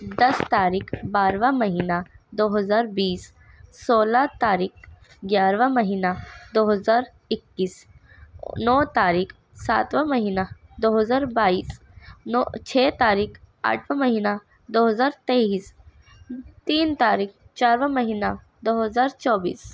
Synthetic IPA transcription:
d̪ɐst̪aːɾiːkʰbaːɾʋãmɐɦiːnad̪oːɦəzaːɾbiːs | soːlat̪aːɾiːk̚ | ɡʲjaːɾʋəmɐɦiːnad̪oːɦəzaːɾ | ɪkːiːs | nɔːt̪aːɾiːkʰ | saːt̪ʋəmɐɦiːnad̪oːɦəzaːɾbaːiːs | nt͡ʃʰɛːt̪aːɾiːk | a̰ːʈʰʋə̃mɐɦiːna | d̪oːɦəzaːɾt̪eiːs | t̪iːnt̪aːɾiːkt͡ʃaːɾʋə̃mɐɦiːna | d̪oːɦəzaːɾt͡ʃɔːbḭːs

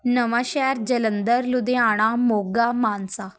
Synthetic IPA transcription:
nəʋaɕɛɾd͡ʑələnd̪əɾlud̪ẽaɽ̃amoɡamansa

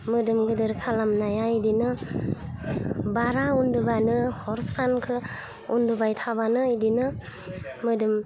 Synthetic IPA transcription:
mɯdɯmɡɯdɯɾkʰalamnajaidinɯ | baɾaundɯbanɯhɔɾsankʰɯ | undɯbajtʰabanɯidinɯ | mɯdɯm

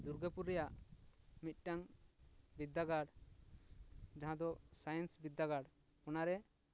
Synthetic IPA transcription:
d̪uɾɡəpuɾːɛjaʔmit̪̚ˀʈaŋ | bid̪ːaɡaɽ | d͡ʒaɦãd̪ɔsajɛnsbid̪ːaɡaɽ | kɔnaɾɛ

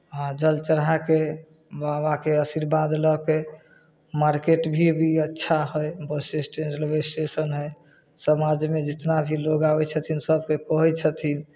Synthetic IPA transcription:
ɦãd͡ʒəlt͡ʃəɾɦake | babakeəsiɾbad̪lɔke | maɾkeʈbʱibʱiətːʃʰaɦəjbəsesʈend͡ʒlobesʈesənɦə | səmad͡ʒmed͡ʒit̪nabʱiloɡabɛt͡ʃʰət̪ʰinsəb̚kekɔɦɛt͡ʃʰət̪ʰin

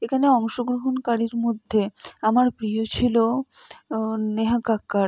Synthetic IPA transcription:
ekʰaneɔŋʃoɡɾoɦonkaɽiɾmod̪ʱːeamaɾpɾijot͡ɕʰilo | neɦakakːaɾ

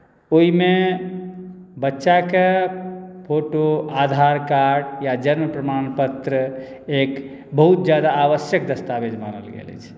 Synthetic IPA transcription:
oime | bətːʃake | pʰoʈoad̪ʱaɾkaɾɖjad͡ʒənməpɾəmanpət̪ɾə | ek | bəɦut̪̚d͡ʒjad̪aːβəsjəkd̪əst̪abed͡ʒma̰nə̰lɡḛlɛ̰t͡ʃʰ

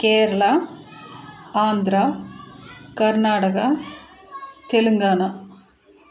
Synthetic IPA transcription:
keːɾɐɭɐ | aːnd̪ɾɐ | kɐɾnaːʈɐkɐ | t̪elɐŋɡaːɳɐ

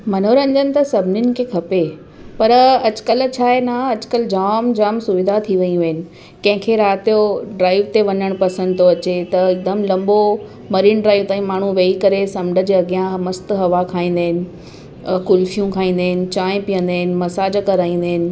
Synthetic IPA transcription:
mɐnoːɾɐ̃ɲd͡ʑənɪ̆t̪ɐsɐbʱɪnɪnɪ̆kʰeːkʰɐpe | pɐɾɐt͡ɕɪ̥kəlt͡ɕʰaːɦenaɐd͡ʑ̥kəld͡ʑaːmd͡ʑaːmsʊʋɪd̪ʱat̪ʰiʋɐĩũʋɐɦɪnɪ̆ | kɐ̃ɦɪ̃kʰeɾaːt̪ijoɖɾaːɪʋt̪eʋɐɲəɽ̃pɐsə̃nd̪t̪ʰoɐt͡ɕet̪ɐɪd̪əmlɐ̃mbo | mɐɾiːnɖɾaːiʋt̪aːĩmaːɳ̤uʋeːikɐɾesɐmɖə̆d͡ʑeɐɡijãmɐst̪ɦɐʋakʰaːĩːn̆d̪aːɦɪnɪ̆ | kʊlfijũkʰaːĩːn̆d̪aːɦɪnɪ̆t͡ɕãːɪ̃pijə̃nd̪aːɪnɪ̆mɐsaːd͡ʑkɐɾaːĩnd̪aːɦɪnɪ̆

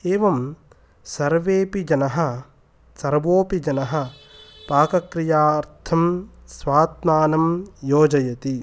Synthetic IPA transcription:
eːʋɐm | sɐɾʋeːpid͡ʒɐnɐɦɐ̆ | sɐɾʋoːpid͡ʒɐnɐɦɐ̆paːkɐkɾijaːɐɾt̪ʰɐmsʋaːt̪̚maːnɐmjoːd͡ʒɐjɐt̪i

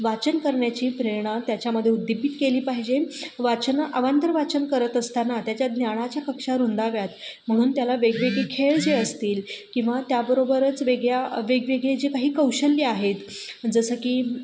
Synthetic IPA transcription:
ʋat͡ɕənkəɾɳjat͡ɕiːpɾeɾɳ̃at̪jat͡ɕjaməd̪ʱːjeud̪ːibiːt̪keliːpaɦid͡ʑeʋat͡ɕənʔəʋant̪əɾəʋat͡ɕənkəɾət̪əst̪anat̪jat͡ɕjad̪ʱnjaɽ̃at͡ɕjakəkʂaɾund̪aʋjat̪m̤əɽ̃uːnt̪jalaʋeɡʋeɡɭekʰeɭd͡zeəst̪iːlkĩw̃ʋat̪jabəɾobəɾət͡sʋeɡɭjaʋeɡʋeɡɭed͡ʑikaɦiːkəwɕəlːiaɦet̪ | d͡zəsəkiː

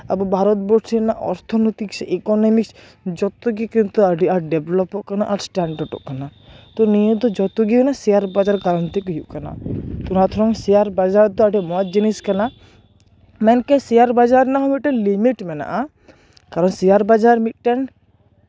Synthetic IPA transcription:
a̰bɔbʱaɾɔt̪̚bɔsinaʔɔ̰ɾt̪ʰɔnɔt̪iksɛkɔnɔmiks | d͡ʒɔt̪uɡikint̪uaɖiʔaɾɖɛblɔpɔʔkanaʔaɾsʈaɳɖaɾɖɔ̰ʔkanat̪ɔnijɔd̪ɔd͡ʒɔt̪uɡiɛnasiaɾbad͡ʒaɾɡaɾɔnt̪ikɔɦṵʔkana̰t̪ɔnat̪ʰɾɔŋsiaɾbad͡ʒaɾd̪ɔaɖimɔd͡ʒiniskana | mɛnkɛsijaɾbad͡ʒaɾnaɦɔmit̪̚ʈɛnlimiʈmɛna̰ʔa | kaɾɔnsiaɾbad͡ʒaɾmit̪̚ʈɛn

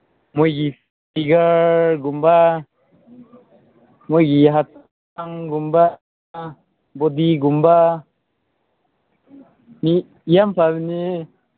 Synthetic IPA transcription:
mujɡif | iɡəɡumba | mujɡiɦat̪ | aŋɡumba | bɔd̪iɡumba | mi | ijampaβini

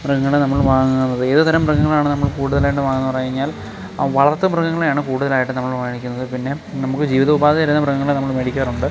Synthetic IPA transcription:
prɐɡɐŋːɐɭenɐmːɐɭʋaːŋunːɐðɨeðɨt̪ɐɾɐmrɐɣɐŋːɐɭaːɳɨnɐmːɐɭkuːɽuðɐlaːjiʈ̬ːɨʋaːŋunːɨpɐrɐjiɲːaːl | ʋɐɭɐrt̪ːɨmrɐɡɐŋːɐɭejaːɳɨkuːɽuðɐlaːjiʈːɨnɐmːɐɭʋaːjɳikʲːunːɐðɨpinːe̞nɐmukːɨd͡ʑiːʋiðɐubaːðɐɐɾunːɐprɐɣɐŋːɐɭenɐmːɐɭmeɽikʲːaːruɳɖɨ

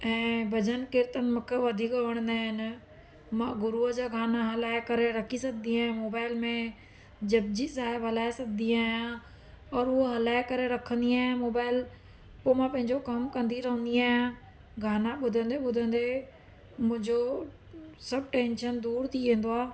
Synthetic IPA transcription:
ɛ̃ːbʱɐd͡ʒənkɪɾt̪ənmʊkʰəʋɐd̪ʱiɡəʋəɽ̃ə̃nd̪aːɦɪnɪ | mãːɡʊɾuəd͡ʑaɡʱaːnaɦɐlaːekəɾeɾɐkʰisɐk̚ʰd̪iaːɦẽmoːbaːɪlmẽ | d͡ʑɐb̚d͡ʑisaːɦɪbɐlaːɪsɐk̚d̪iaːɦjã | ɔːɾʊɦoɦɐlaːɪkəɾeɾɐkʰə̃nd̪iaːɦẽmoːbaːɪl | poːmãːpɐ̃ɦɪ̃ɲd͡ʑokɐmkɐ̃nd̪iɾɐɦə̃nd̪iaːɦjãː | ɡʱaːnaɓʊd̪ʱə̃nd̪eɓʊd̪ʱə̃nd̪e | mʊ̃ɦɪ̃ɲd͡ʑo | sɐb̚ʈẽːnʃənd̪uːɾt̪ʰiʋẽːnd̪oaː

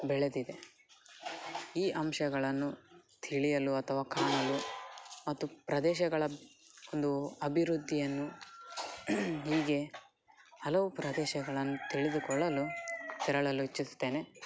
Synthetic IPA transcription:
bɛɭed̪id̪e̞ | iːʔɐmʃɐɡɐɭɐnːut̪ʰiɭijɐluɐt̪ʰɐʋaːkʰaːɳɐlumɐt̪ːupɾɐd̪ɛːʃɐɡɐɭɐond̪uɐbʱiɾud̪ʱːijɐnːu | ɦiːɡe̞ | hɐlɐʋupɾɐd̪ɛːʃɐɡɐɭɐnːut̪iɭid̪ukɔɭːɐlut̪ɛɾɐɭɐluit͡ʃːisu̥t̪ːe̞ːne̞

